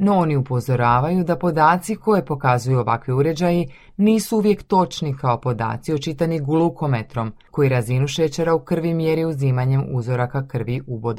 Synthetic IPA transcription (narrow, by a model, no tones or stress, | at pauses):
no̞oniupo̞zo̞ɾaːʋajud̪apo̞d̪aːt̪siko̞jepo̞kazujuo̞ʋakʋiuɾe̞d͡ʑaji | niːsuuʋje̞kt̪o̞t͡ʃnikao̞po̞d̪a̰ːt̪siot͡ʃit̪aniɡlˠuko̞met̪ɾo̞mko̞jiɾazinuʃet͡ɕeɾaukr̩ʋimje̞ɾiuziːmaɲe̞muzo̞ɾakakr̩ʋiʔubod̪